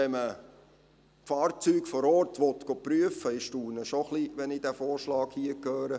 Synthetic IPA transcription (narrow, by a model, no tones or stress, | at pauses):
ɛmə | fɑːɾt͡syːkfɔɾɔɾtʋɔtɡ̥opɾyəfəɪʃtuːɾnəʃoχliʋɛnidæfoːɾʃlɑːkhiəkʰøːɾə